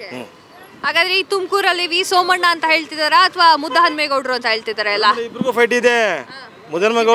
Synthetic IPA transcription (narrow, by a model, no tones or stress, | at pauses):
ɦaːɡaːd̪ɾeiːt̪umkuːɾɐlːiʋiːsoːmɐɳːɐːnt̪ɐɦe̞ːɭt̪id̪aːɾeɐt̪ʰʋaːmud̪ʱːɐɦɐnmeɡɐwɽɾuɐnt̪ɐɦeːɭt̪id̪aːɾeɐlːɐibɾɡuːpʰɐjʈid̪e | mud̪ɐnmeɡɐ